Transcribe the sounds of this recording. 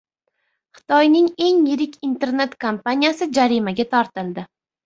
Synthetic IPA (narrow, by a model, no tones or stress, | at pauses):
χɨ̥t̪ʰɒjnɪŋe̞ŋjɪɾɪkʲʰint̪ʰe̞ɾne̞t̪kʰampanijasɪd͡ʒaɾimaɡʲat̪ʰɒɾt̪ɪlˠd̪ɪ